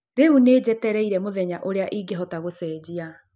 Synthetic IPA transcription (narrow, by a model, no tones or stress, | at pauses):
ɾeuneːd͡ʑɛtɛɾɛiɾɛmoðɛɲaʔoɾeaʔiɡeɦɔtaɣosɛːd͡ʑia